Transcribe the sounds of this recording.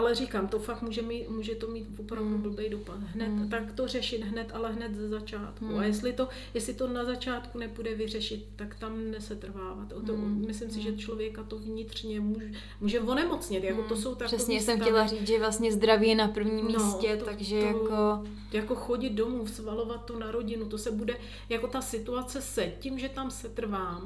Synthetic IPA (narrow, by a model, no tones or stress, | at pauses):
ʔalɛrikaːmt̪ofakmuːʒɛmiːt̪muːʒɛt̪o̞miːt̪vopɾavdubl̩bɛjdopat̪ɦnɛt̪ːakt̪o̞r̝ɛʃɪt̪ɦnɛt̪ʔalɛɦnɛt̪zɛzat͡ʃaːt̪kuajɛs̬t̪lɪt̪o̞ | jɛslɪt̪o̞nazat͡ʃaːt̪kunɛpudɛvɪr̝ɛʃɪt̪ːakt̪amnɛsɛt̪r̩vaːvat̪oomɪslɪmsɪʒɛt͡ʃlo̞vjɛkat̪ovɲɪt̪r̝̥ɲɛmuʒ | muːʒɛvo̞nɛmo̞t͡sɲɪt̪jakot̪oso̞wt̪akɛsɲɛiɛsɛmxɛlariːt͡sʒɛvlast̪ɲɛzd̪ɾavijɛnapr̩vɲiːmmːinːosɛt̪oaɡʒɛjjako | jako̞xo̞ɟɪd̪̚do̞muːfsvalo̞vat̪ːonaɾo̞ɟɪnut̪o̞sɛbudɛ | jako̞t̪asɪt̪uat͡sɛsɛcɪmʒɛt̪amsɛt̪r̩vaːm